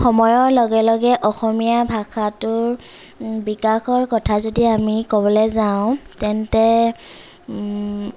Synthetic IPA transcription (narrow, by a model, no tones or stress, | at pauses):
xɔmɔjɔɹlɔɡɛlɔɡɛʔɔxɔmijabʱaxatʊɹ | bikaxɔɹkɔtʰazodiamikobɔlɛzaʊ̃tɛntɛ